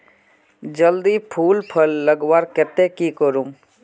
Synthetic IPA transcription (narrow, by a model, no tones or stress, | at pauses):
d͡ʒəld̪ipʰuːlpʰəlːəɡwaːɾkɛt̪ekikəɾum